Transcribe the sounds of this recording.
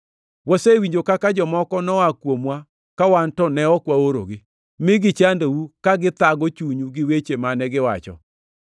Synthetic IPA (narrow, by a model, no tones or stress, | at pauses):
wɔsewiɲd͡ʒokakad͡ʒɔmɔkɔnɔakwomwa | kawantɔnɛɔkwaoɾo̰ɡɪ | mɪɡɪt͡ʃandowukaɡɪt̪aɡɔt͡ʃuɲuɡɪwet͡ʃemanɛɡɪwa̰t͡ʃɔ̰